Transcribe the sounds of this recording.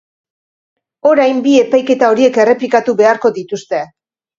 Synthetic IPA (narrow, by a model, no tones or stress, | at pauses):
o̞ɾajmbie̞pajke̞t̪ao̞ɾie̞ke̞re̞plikat̪uβe̞aɾko̞ðit̪ust̪e̞